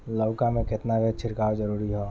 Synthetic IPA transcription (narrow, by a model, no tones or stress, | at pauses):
lɔʊkamẽkɪt̪nabet͡ʃʰɪɾkaːod͡ʒəɾuːɾiɦoː